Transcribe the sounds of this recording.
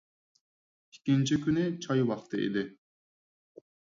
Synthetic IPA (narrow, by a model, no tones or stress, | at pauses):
i̥kʲint͡ʃʰikʲynɪt͡ʃʰɒjwɑqt̪ʰɯḭd̪ɪ